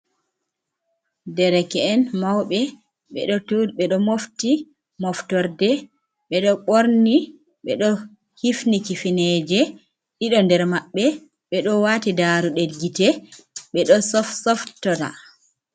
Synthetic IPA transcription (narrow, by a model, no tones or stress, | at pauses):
dɛɾɛkɛːnmawɓɛ | ɓɛ̰ɗɔtɓɛɗɔmofti | mɔftɔɾdɛ | ɓɛɗɔɓoɾni | ɓɛɗɔ | hifnikifinɛd͡ʒɛ | ɗiɗɔndɛɾmaɓːɛ | ɓɛɗɔwatidaːɾuɗedɡitɛ | ɓɛɗɔsɔfsɔftɔda̰